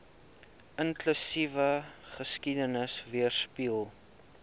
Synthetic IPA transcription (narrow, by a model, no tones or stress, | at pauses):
ənklysivəχəskidənəsviərspilˠ